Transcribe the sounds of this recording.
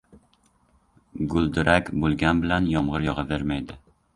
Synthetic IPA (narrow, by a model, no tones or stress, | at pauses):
ɡʊlˠd̪ɪɾʔakʲbolˠɡʲanbɪlanjɒmʁɨɾjɒʁɑveɾmajd̪ɪ